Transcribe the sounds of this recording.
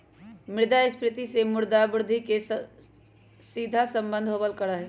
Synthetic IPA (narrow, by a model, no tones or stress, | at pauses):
mɪɾd̪aɪspɾɪt̪isemʊɾd̪abʊɾd̪ʱike | sid̪ʱasə̃mbənd̪ʱɦobəlkəɾəɦɛ